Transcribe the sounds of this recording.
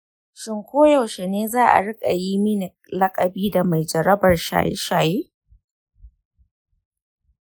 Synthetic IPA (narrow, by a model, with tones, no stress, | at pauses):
ʃɪ˦ŋkʷoː˦jɐ˨wʃe˨neː˦zaː˦ʔa̰˨ɽɪ˦kʼa˨ji˦mi˦nɪ˨klɐ˦kʼɐ˨biː˦da˨ma˨jd͡ʒɐ˨ɾɐ˦bɐ˨rʃa̰ː˨jɪ̰˦ʃaː˨jeː˦